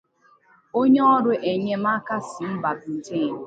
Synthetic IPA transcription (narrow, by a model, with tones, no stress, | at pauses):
o˦ɲe˦ɔ˦ɾʊ˨ʔe˨ɲe˦ma˦ka˦si˨m̩˦ba˨bi˨te˦˨n˨